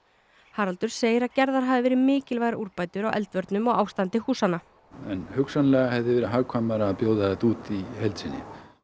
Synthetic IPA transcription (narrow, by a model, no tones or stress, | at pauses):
haːɾalt̪ʏɾ̥seːjɪɾaðcɛɾðaɾ̥ɦaːvɪvɛːɾɪmɪːcɪlvajɾaʔuɾpajt̪ʏɾawʔɛ̰lt̪vœɾt̪nʏmɔɣaːwst̪ant̪ɪhuːsanːa | ɛnhʏksanlɛɣahɛvðɪvɛːɾɪɦaɣkʰvamɛɾaːpjoːwðaɛt̪uːt̪ihejlt̪sɪnɪ̰